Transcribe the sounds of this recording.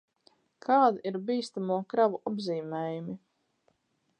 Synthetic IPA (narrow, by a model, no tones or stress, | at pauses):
kʰaːd̪iiɾbiːst̪amuɔkɾavuʔabziːmɛːjumi